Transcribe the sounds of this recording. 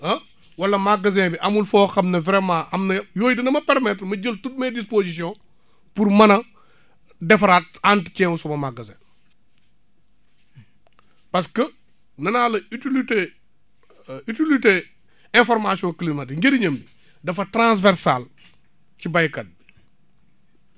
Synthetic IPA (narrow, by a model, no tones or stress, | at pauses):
ɐ | wɐlːɐmaɡɐzɛ̃ːbiʔɐmulfɔːxɐmnɐvɾɛmãʔɐmnɐjoːjidinɐmɐpɛɾmɛtɾmɐɟəltut̚medispozis̬ijɔ̃ | puɾmɐnɐ | dɛfɐɾaːt̚antcɛ̃ːwusumɐmaɡɐzɛ̰̃ː | pɐskə | nɐnaːlɐytilite | ytilite | ɛ̃nfɔɾmasiɔ̃ːklimɐtŋɡeɾiɲɐmbi | dɐfɐtɾãs̬vɛɾsal | cibajkɐt̚bi